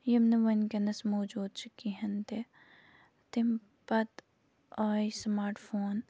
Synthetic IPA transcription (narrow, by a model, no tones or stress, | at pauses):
jɐmnɐʋɐnkɐnɐsmoːd͡ʒuːd̪̚t͡ʃikiɦɐnt̪e | t̪ɪm | pɐt̪ | ɔːjsmaːɾʈfʰoːn